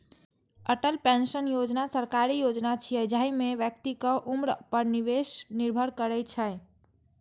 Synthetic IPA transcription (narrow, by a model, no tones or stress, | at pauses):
əʈəlpensənjod͡ʒnasəɾkaɾijod͡ʒnat͡ʃʰiəd͡ʒaimeʋjəkt̪ikəʔumɾpəɾniʋesniɾbʱəɾkəɾɛjt͡ʃʰəj